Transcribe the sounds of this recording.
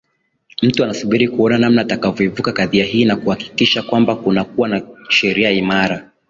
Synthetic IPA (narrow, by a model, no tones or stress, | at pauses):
m̩tuanasuɓiɾikuɔnanamnaːtakavjɔivukakaðiaɦiːnakuhaki̥kiʃakwambakunak̚uwanaʃɛɾiaimaɾa